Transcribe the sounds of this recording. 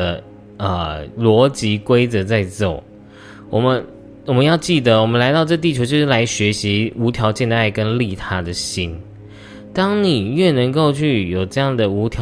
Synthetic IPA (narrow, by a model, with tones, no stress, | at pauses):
ə˨ | ə˧lwɔ˧˥t͡ɕi˧˥kwe˥ɪt͡sɤ˨˧˦t͡sa˥˧ɪt͡so˨˩ʊ | wɔ˨˩mə˦n | wɔ˨˩mə˦njɑ˥˧ʊt͡ɕi˥˩d̪ə˩wɔ˨˩mə˦nla˧˥ɪt̪ɑ˥˧ʈ͡ʂɤ˥˧t̪i˥˩jo˧˥t͡ɕjo˥˧ʂɻ̩˥˩la˧˥ɪɕɥɛ˧˥ɕi˨˧˦u˧˥t̪ʰjɑ˧˥ʊt͡ɕjɛ˥˧nd̪ə˩a˥˩ɪkə˦nli˥˩t̪ʰa˥d̪ə˨ɕi˦˥n | t̪ɑ˥ŋni˨˩ɥɛ˥˩nə˧˥ŋko˥˧ʊt͡ɕʰy˥˩jo˨˩ʊʈ͡ʂɤ˥˧jɑ˥˩ŋd̪ə˩u˧˥t̪ʰjɑ˧